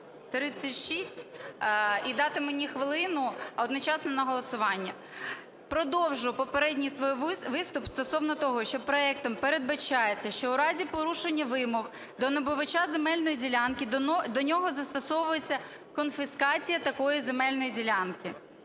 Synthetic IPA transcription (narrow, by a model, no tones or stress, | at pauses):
t̪ɾɪt͡sʲːɐtʲʃisʲtʲ | id̪ɑt̪ɪmenʲixʋɪlˠɪnʊɔd̪nɔt͡ʃɑsnɔnɐɦɔlˠɔsʊʋɑnʲːɐ | pɾɔd̪ɔwʒʊjpɔpeɾɛdʲnʲijsʋɔjʋɪst̪ʊpst̪ɔsɔwnɔt̪ɔɦɔʃt͡ʃɔpɾɔɛk̚t̪ɔmpeɾed̪̚bɐt͡ʃɑjet͡sʲːɐʃt͡ʃɔʊɾɑzʲipɔɾuʃenʲːɐʋɪmɔx | d̪ɔnɔbʊʋɐt͡ʃazemɛlʲnɔjidʲilʲɑnkɪd̪ɔnʲɔɦɔzɐst̪ɔsɔʋʊjet͡sʲːɐ | kɔnfɪskɑt͡sʲijɐt̪ɐkɔjizemɛlʲnɔjidʲilʲɑnkɪ